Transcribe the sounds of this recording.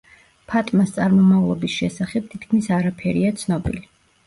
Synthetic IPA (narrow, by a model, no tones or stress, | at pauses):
pʰat̪ʼmast̪sʼaɾmɔmavlˠɔ̰bisʃɛsaχɛb̚t̪ʰit̪kʰmisaɾapʰɛɾiat̪sʰnɔbḭli